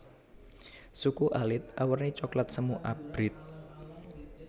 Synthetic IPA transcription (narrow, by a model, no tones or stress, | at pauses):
sukuʔalɪt̪̚awərnit͡ʃɔklat̪̚səmuʔab̥ɾɪt̪̚